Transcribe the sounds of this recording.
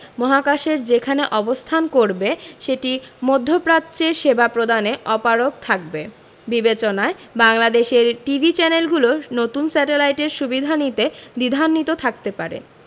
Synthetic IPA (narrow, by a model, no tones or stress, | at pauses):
mɔɦakaʃeɾd͡ʑekʰaneʔɔbost̪ʰankoɾbeʃeʈimod̪ʱːopɾat̪ːt͡ɕeɾʃebapɾod̪aneʔɔpaɾokt̪ʰak̚be | bibet͡ɕonaebaŋlad̪eʃeɾʈibʱit͡ɕɛnelɡulonot̪unsɛʈelajʈeɾʃubid̪ʱanit̪ed̪id̪ʱanːit̪ot̪ʰak̚t̪epaɾḛ